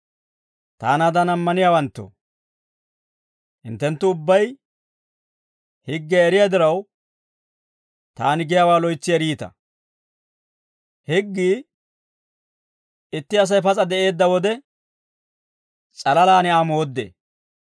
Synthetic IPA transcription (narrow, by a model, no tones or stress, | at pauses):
t̪a̰ːnaːd̪ɐnɐmːɐnɪjaːwɐnt̪ːo̰ | hɪ̰nt̪ːɛnt̪ːʊʊbːɐj | hɪɡːɛːɾɪjad̪ɪɾɐw | t̪aːnɪɡɛjawaːlɔjt͡sːɪjɛɾiːt̪ɐ̰ | hɪɡːiː | ɪt̪ːɪɐs̬ɐjpɐt͡sʼɐd̪ɛʔe̞ːd̪ːɐwɔd̪ɛ | t͡sʼɐlɐlaːnɪaːmoːd̪ːḛː